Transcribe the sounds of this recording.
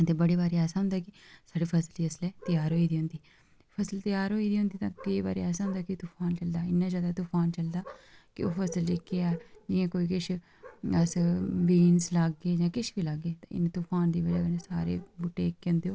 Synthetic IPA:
ət̪eːbəɽeːbaːɾeːɛːsaːɦʊnd̪aːkɪsaːɖeːpʰəsəld̪iːəslɛːt̪ɪjaːɾɦoːiːd̪iːɦʊ̃nd̪iː | pʰəsəlt̪ɪjaːɾɦoːiːd̪iːɦʊ̃nd̪iːt̪ãːkəibaːɾḛɛːsãːɦʊnd̪aːkɪt̪ʊpʰaːnt͡ʃəld̪aːɪnːaːd͡ʒaːd̪aːt̪ʊpʰaːnt͡ʃəld̪aːkɪoːpʰəsəld͡ʒɪkːeːaːd͡ʒɪjãːkoːiːkɪʃʰ | əsʋiːnslaɡːeːd͡ʒãːkɪʃbiːlaɡːeːt̪ã̰ːɪ̰nt̪ʊpʰaːnd̪iːbəd͡ʒaːkəneːsaːɾḛːbʊʈːeːɪkːeʊ̃nd̪eːoː

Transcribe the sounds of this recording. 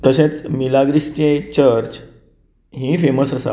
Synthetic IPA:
t̪əɕẽt͡smilaɡɾist͡ɕet͡ɕəɾt͡ɕ | ɦĩfeməsəsa̰

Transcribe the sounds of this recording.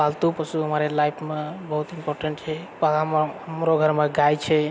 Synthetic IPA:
alt̪upəsuɦəmaɾelajpʰmebəɦut̪impɔɾʈəɳʈt͡ʃʰɛ | paɦəmɾoɡʱəɾmẽɡajt͡ʃʰɛ

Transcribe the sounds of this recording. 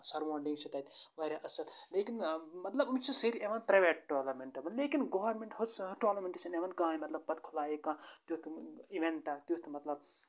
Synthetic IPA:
sɐɾʋoːɳɖĩŋɡt͡ʃʰit̪ɐːt̪ʲʋɐɾʲaʔɐsɐlleːkinmɐt̪lɐbumt͡ʃusɐɾieʋɐnpɾɐjʋeːʈ̚ʈoːlɐɾmeɳʈɐʋɐnleːkinɡoːʋɐɾmeɳʈɦot͡sʈoːlɐɾmẽɳʈesɐneʋɐn̚ɡãːjimɐt̪lɐb̚pɐt̪kʰulaːjekãːt̪jut̪iʋeɳʈɐt̪ut̪mɐt̪lɐb̚

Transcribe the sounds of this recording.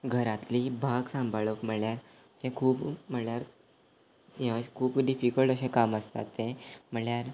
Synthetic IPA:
ɡʱəɾat̪liːbʱaɡsãmbʱaɭəkm̤əɭjaɾ | t̪ẽkʰuːpm̤əɭjaɾ | siɦãɕkʰuːpɖifikəɭʈəɕẽkaməst̪a̰t̪ːẽm̤əɭjaɾ

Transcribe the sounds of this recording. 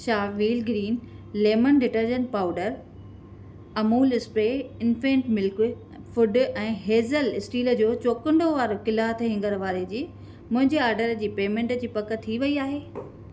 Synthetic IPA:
ʃaːʋiːlɡɾiːnleːmənɖɪʈəɾd͡ʑə̃nʈ̚paːʊɖəɾ | ɐmuːlɪspeːɪnfẽːɳʈmɪlk | fʊɖɛ̃ːɦeːzəlɪsʈiːlə̆d͡ʑoːt͡ɕoːkə̃ɳɖoʋaːɾokɪlaːət̪ʰɦɪ̃ŋɡəɾʋaːɾed͡ʑiː | mʊ̃ɦɪ̃ɲd͡ʑeaːɾɖəɾd͡ʑiːpeːmẽːɳʈd͡ʑiːpɐkə̆t̪ʰiʋɐiaːɦeː

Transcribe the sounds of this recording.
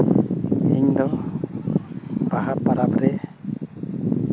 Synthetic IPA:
iɲd̪ɔ | baɦapaɾabɾɛ

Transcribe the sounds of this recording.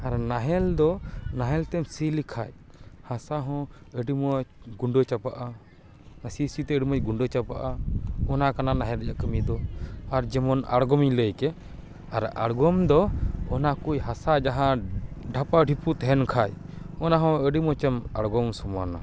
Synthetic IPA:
aɾnaɦɛld̪ɔnaɦɛlt̪ɛmsilikʰa̰j | hasaɦɔ̃ | əɖimɔ | ɡuɳɖɔt͡ʃapaʔa | asisit̪ɛəɖimɔt͡ʃɡuɳɖɔt͡ʃapaʔaɔnakananaɦɛld͡ʒaʔkəmid̪ɔaɾd͡ʒɛmɔna̰ɽɡɔmiɲləjkɛ | aɾa̰ɽɡɔmd̪ɔɔnakujɦasad͡ʒaɦãɖʱapaɖʱiput̪ɛɦɛnkʰaj | ɔnaɦɔ̃əɖimɔt͡ʃamaɽɡɔmsɔma̰na̰

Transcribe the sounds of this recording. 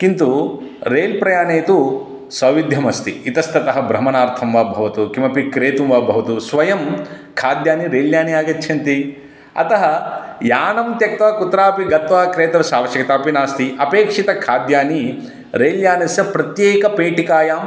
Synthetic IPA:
kint̪uɾeːlpɾɐjaːneːt̪u | sɐʋid̪ʱjɐmɐst̪iːt̪ɐst̪ɐt̪ɐɦɐbɾɐmɐnaːɾt̪ʰɐmʋaːbʱɐʋɐt̪ukimɐpikɾeːt̪umʋaːbʱɐʋɐt̪usʋɐjɐm | kʰaːd̪jaːniɾeːljaːnijaːɡɐtːʰɐnt̪i | ɐ̰t̪ɐɦɐjaːnɐmt̪jɐk̚t̪ʋaːkut̪ɾaːpiɡɐt̪ʋaɦkɾeːt̪ɐsaːʋɐʃjɐkɐt̪aːpinaːst̪iʔɐpeːkʂit̪ɐkʰaːd̪jaːni | ɾeːljaːnɐsjɐpɾɐt̪jeːkɐpeːʈikaːjaːm

